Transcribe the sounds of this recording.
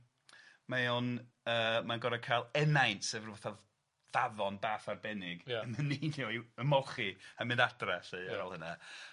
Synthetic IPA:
maɔn | əːmanɡɔɾakʰajlˠɛnajntsɛvrvaθa | vavɔnbaːfarbɛnɪɡməniniɔiəmɔχiamɪ̃ndad̥rɛseaɔlˠhəna

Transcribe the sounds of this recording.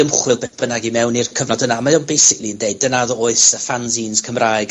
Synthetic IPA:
əmχwɪlˠbɛb̥ənaɡimɛwnirkʰəvnɔdənaːmajoːnbejsɪkʰlˠiəndeɨdənaðɔoɨsəfanziːnskʰəmraɨɡ

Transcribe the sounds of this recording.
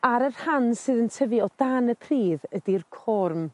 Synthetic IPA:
aɾərhansɨːðəntʰəvɨɔdanəpʰriːðədirkʰɔrm

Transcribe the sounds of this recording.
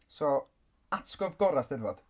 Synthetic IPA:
sɔ | atkɔvɡɔɾasd̥ɛðvod̥

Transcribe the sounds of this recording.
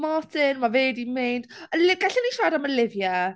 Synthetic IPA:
mɔtʰɪnmaveːdimejnd̥əlɪɡaɬiniʃajɾaməlɪvja

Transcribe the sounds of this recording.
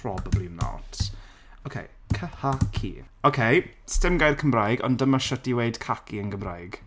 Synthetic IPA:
pʰrɔbablimna̰tʰ | okʰḛj | kʰəhakʰḭ | okʰej | stɪmɡajð̥kʰəmrajɡɔ̰ndəmaʃətiweɨd̥kʰakiənɡəmrajɡ̥

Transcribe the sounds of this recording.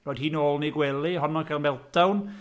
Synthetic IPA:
rɔːjd̥hiːnoːlˠniɡwɛlˠiɦɔnɔkʰalˠmɛlˠtawn

